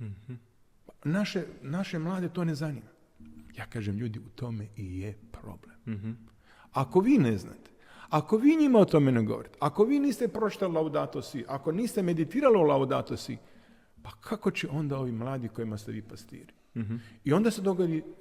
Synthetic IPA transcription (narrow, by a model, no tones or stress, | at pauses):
panaʃe̞naʃe̞mlˠaːd̪e̞t̪o̞ːne̞zanḭːma | jaːkaːʒemʎuːd̪iut̪o̞meijepɾo̞̰blem | ako̞ʋiːnezna̰ːt̪e̥ | ako̞ʋiːɲimaot̪o̞meneɡo̞̰ʋoɾit̪eako̞ʋiːniːst̪epɾo̞t͡ʃi̥t̪alilaod̪at̪osiʔako̞niːst̪eme̞d̪it̪iːɾaliolaod̪a̰t̪osḭ | pakʰako̞t͡ɕeʔo̞nd̪ao̞ʋiːmlˠaːd̪iko̞jimast̪ḛʋiːpast̪ḭːɾi | io̞nd̪ase̞d̪o̞ɡod̪i